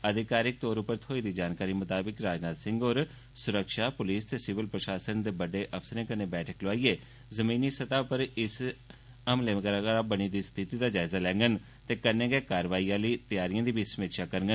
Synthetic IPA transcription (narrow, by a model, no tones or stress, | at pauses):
əd̪ɪkaːɾɪk̚t̪oːɾʊpəɾt̪ʰoːiːd̪iːd͡ʒaːnkaːɾiːmət̪aːbɪkɾaːd͡ʒnaːt̪sɪ̃ŋɡoːɾ | sʊɾəkʃaːpʊliːst̪eːsɪʋəlpɾəʃaːsənd̪eːbəɖeːʔəpʰsəɾẽːkənẽːbɛːʈʰəkləaːieː | zəmĩːniːsət̪aːpəɾɪs | əmleːkəɾaaːbəɽ̃iːd̪iːst̪ʰɪt̪iːd̪aːd͡ʒaːɪzaːlɛ̃ːŋɡən | t̪eːkəɾnẽːɡeːkaːɾʋaːiːãːləiːt̪ɪjaːɾijãːd̪iːbʱiːsəmiːkʃaːkəɾɡən